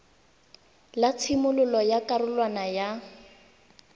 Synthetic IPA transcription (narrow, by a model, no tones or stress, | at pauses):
lat͡sʰɪmʊlʊlɔjakʼarʊlwanaja